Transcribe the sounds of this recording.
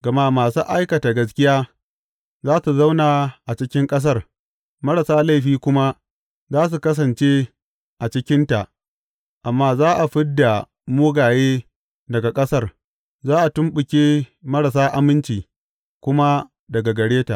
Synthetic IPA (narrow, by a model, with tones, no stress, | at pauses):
ɡ̥ɐ˨ma˦maː˨su˦ʔa˦jkɐ˨ta˨ɡɐ˦s̬kʲɪ˦jaː˦ | zaː˦su˨za˦wnaː˨ʔa˨t͡ʃɪ˦kʲɪ˦ŋkʼɐ˦s̬ɐ˦˨r | mɐ˦ɽɐ˨saː˦la˦jɸiː˦kʷʊ˦ma˦ | zaː˦s̬u˨kɐ˦s̬ɐ˨nt͡ʃe˦ | ʔa˨t͡ʃɪ˦kʲɪ˦nta˨ʔ | ʔa˨mːaː˦zaː˦ʔa˨ɸɪ˦dːa˨ | moː˦ɡaː˨jeː˦ | dɐ˨ɡa˨kʼɐ˦sɐ˦r | zaː˦ʔa˨tʊ˦mɓʊ˨kʲeː˦mɐ˦ɽɐ˨s̬aː˦ʔa˦mɪ˦nt͡ʃiː˨ | kʷʊ˦ma˦ | dɐ˨ɡa˨ɡɐ˨ɽeː˦ta˨ʔ